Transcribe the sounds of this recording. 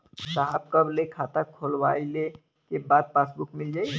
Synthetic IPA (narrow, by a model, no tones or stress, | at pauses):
saɦab̚kəblekʰat̪akʰolʋaile | kebad̪̚pasbukmild͡ʒaːj